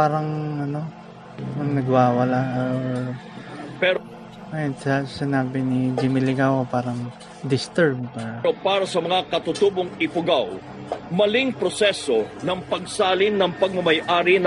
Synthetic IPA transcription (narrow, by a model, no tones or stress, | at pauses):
paːɾɐŋʔɐno̞ | mɐŋnɐɡwaːwɐlaʔo | pɛɾ | ɐjnsɐsɪnaːbɪnɪd͡ʒɪmɪlɪɡawopaːɾɐŋ | d̪ɪst̪ɛɹb̚paopaːɾɐsɐmɐŋakɐt̪ʊt̪uːboŋɪpʊɡaw | mɐlɪŋpɾosɛsonɐŋpɐɡ̚saːlɪnːɐŋpɐɡ̚mɐmɐjʔaːɾɪn